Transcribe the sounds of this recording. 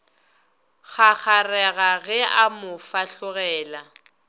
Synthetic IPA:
ɣʰak͡xʰarɛɣaɣɛamʊfaɬʊɣɛːla

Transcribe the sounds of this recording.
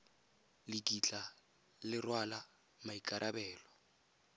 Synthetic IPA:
lɪkʼit͡ɬʼa | lɪrwala | maikʼaɾʔabɛːlɔ

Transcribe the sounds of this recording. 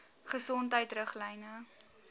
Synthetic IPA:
χəsɔntɦəjtrəχlɛjnə

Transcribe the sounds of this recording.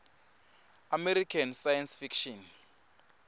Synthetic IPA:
amɛɾikʰansajansfikʃɔn

